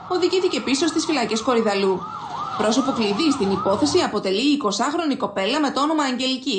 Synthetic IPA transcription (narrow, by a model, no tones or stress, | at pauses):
o̞ðiʝiθice̞piso̞st̪isfilɐce̞sko̞ɾiðɐlu | pɾo̞so̞po̞kliðist̪inipo̞θe̞siɐpo̞t̪e̞liːko̞sɐxɾo̞niko̞pe̞lɐme̞t̪oono̞mɐːɲɟe̞lici